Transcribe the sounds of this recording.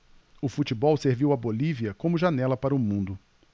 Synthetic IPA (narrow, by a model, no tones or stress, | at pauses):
ʊfut͡ʃibɔwseɾviwɐboliviɐkõmʊʒanɛlɐpaɾɐʊmũnd̪ʊ